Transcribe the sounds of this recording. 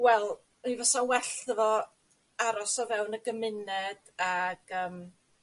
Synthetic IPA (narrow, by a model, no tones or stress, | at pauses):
wɛlˠ | ivɔsawɛɬəvɔ | aɾɔsɔvɛwnəɡəmɪnɛd̥ | aɡ̥əːm